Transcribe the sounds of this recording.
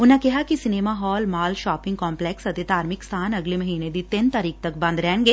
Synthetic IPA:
ʊnãkɪɦakisɪneːmaɦɔːlmaːlʃaːpɪ̃ŋɡkɔ̃ːmplɛːksɐt̪ed̪ʱaːɾmɪkst̪ʰaːnɐɡleməɦiːned̪it̪ɪnt̪aːɾiːk̚t̪ɐkbɐ̃nd̪ɾɛːnɡeː

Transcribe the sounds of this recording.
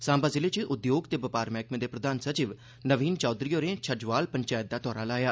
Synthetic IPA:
sãːmbaːzɪleːt͡ʃeʔʊd̪joːɡt̪eːbəpaːɾmɛːkmẽːd̪eːpɾəd̪aːnsət͡ʃiːʋ | nəʋiːnt͡ʃɔːd̪ɾijoːɾẽːt͡ʃʰəd͡ʒʋaːlpəɲt͡ʃaːjət̪̚d̪aːt̪ɔːɾaːlaːjaː

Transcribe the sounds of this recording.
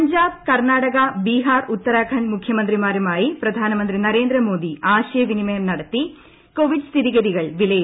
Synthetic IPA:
ɐɲd͡ʑaːb̚kɐrnaːɽɐɣɐbiːɦaːrut̪ːɐɾaːkʰɐɳmukʰjɐmɐnd̪ɾimaːɾumaːjipɾɐd̪ʱaːnɐmɐnd̪ɾinɐɾe̞ːnd̪ɾɐmo̞ːd̪iaːɕeːʋinimɐjɐmnɐɽɐt̪ːi | koːʋiɖst̪ʰiðiɡɐðiɣɐɭʋilɐj

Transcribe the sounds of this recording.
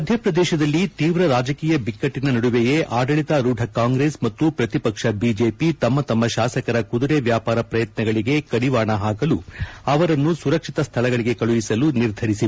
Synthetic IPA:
mɐd̪ʱjɐpɾɐd̪ɛːʃɐd̪ɐlːit̪iːʋɾɐɾaːd͡ʒɐkiːjɐbikːɐʈːinɐnɐɽuʋeje̞ʔaːɖɐɭit̪ɐɾuːɖʱɐkaːŋɡɾesmɐt̪ːupɾɐt̪ipɐkʂɐbiːd͡ʒe̞ːpit̪ɐmːɐt̪ɐmːɐʃaːsɐkɐɾɐkud̪uɾeʋjaːpaːɾɐpɾɐjɐt̪nɐɡɐɭiɡe̞kɐɽiʋaːɳɐɦaːkɐluɐʋɐɾɐnːusuɾɐkʂit̪ɐst̪ʰɐlɐɡɐɭiɡe̞kɐɭuʋisɐluniɾd̪ʱɐɾisi

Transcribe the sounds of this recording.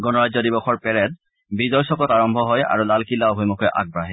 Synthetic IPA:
ɡɔnɔɹazɔdibɔxɔɹpɛɹɛt̚ | bizɔjsɔkɔtaɹɔmbʱɔɦɔja̰ɹulalkilːaɔɦojmɔkɔʔa̰ɡ̚baɦɛ

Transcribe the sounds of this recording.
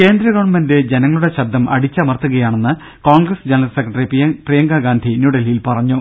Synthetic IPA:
ke̞ːnd̪ɾɐɣɐʋɳmɐnde̞d͡ʑenɐŋːɐɭuɽe̞ɕɐbd̪ːɐmɐ̰ɽit͡ɕːɐmɐrt̪ːuɣɐjaːɳe̞nːɨ | koːɳɡrɐsd͡ʑenɐlɐlsekːrɐʈɐriprijɐŋɡaɡaːnd̪ʱinjuɽɐlijilpɐrɐɲːu

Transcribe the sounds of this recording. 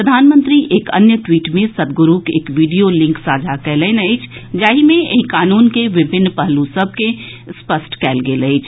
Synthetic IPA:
ɾəd̪ʱaːnmə̃nt̪ɾiʔeːkɐ̰njəʈwiːʈmẽsɐd̪̚ɡʊɾuːkeːkʋiːɖijolɪ̃ŋksaːd͡ʒʱakɛːlɛːnɐɪt͡ʃʰd͡ʒaːɦimẽeikaːnuːnkeʋɪbʱɪnːpɐɦlusəb̚ʱke | spəsʈkɛːlɡeləit͡ʃʰ

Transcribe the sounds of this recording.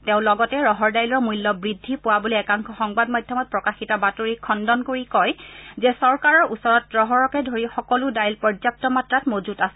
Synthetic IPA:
tẽʊ̃lɔɡɔtɛɹɔɦɔɹdajlɔɹmujlːɔbɹidʱːipʊwaboliɛkaŋkʰɔxɔŋbadmɔjdʱjɔmɔt̚pɹɔkaxitɔbatoɹikʰɔndɔnkoɹikɔjzɛsɔɹkaɹɔɹusɔɹɔt̚ːɹɔɦɔɹɔkɛdʱoɹixɔkɔlʊdajlpɔɹzap̚tɔmatɹatmozutasɛ

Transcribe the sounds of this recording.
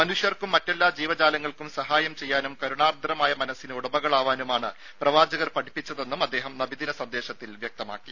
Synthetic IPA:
mɐnuʂjɐrkumːɐtːe̞lːaːd͡ʑiːʋɐd͡ʑaːlɐŋːɐɭkumsɐɦaːjɐmt͡ɕe̞jːaːnumkɐɾuɳaːrd̪ʱɐɾɐmaːjɐmɐnɐsːinɨuɽɐbɐɣɐɭaːʋaːnumaːɳɨ | prɐʋaːd͡ʑɐɣɐrpɐʈʰipːit͡ɕːɐðe̞nːumɐd̪ːe̞ːɦɐmnɐbiðinɐsɐnd̪e̞ːɕɐt̪ːilʋjɐk̚t̪ɐma̰ːkːi

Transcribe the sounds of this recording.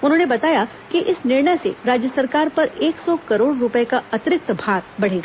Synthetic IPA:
ʊnɦõːnebɐt̪aːja | kiʔɪsnɪɾɳəjsḛɾaːd͡ʒjəsɐɾkaːɾpɐɾeːksɔkɐɾoːɽɾʊpəekaɐt̪ɾɪk̚t̪bʱaːɾbɐɽ̤eːɡaː

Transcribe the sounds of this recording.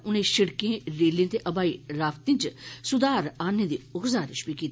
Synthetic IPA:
ʊnẽːʃɪɽkẽːɾeːlẽːt̪eʔəbaːiːɾaːft̪ɪ̃ːnt͡ʃsʊd̪aːɾaːnẽːd̪iːʊxzaːɾɪ̰ʃbiːkiːt̪ː

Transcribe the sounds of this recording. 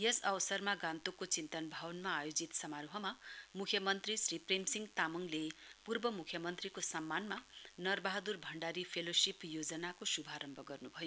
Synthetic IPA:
jʌsʌwʌsʌrmaɡant̪ukːot͡sint̪ʌnbʱawʌnmaːjod͡zit̪sʌmaɾuɦʌmamukʰjʌmʌnt̪risripremsiŋɡt̪amuŋlepurbʌmukʰjʌmʌnt̪rikosʌmːanmanʌrbaɦʌd̪urbʱʌɳɖaɾipʰelosipjod͡zʌnakosubʱaɾʌmbʱʌɡʌrnubʱʌjo

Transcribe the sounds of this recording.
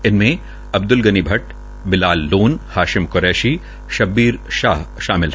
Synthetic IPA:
ɪnmẽ | ɐb̚d̪ʊlɡɐnibʱɐʈ | bɪlaːlːoːnhaːʃɪmkoɾɛːʃi | ʃɐbːiːɾʃaːɦʃaːmɪlɛ

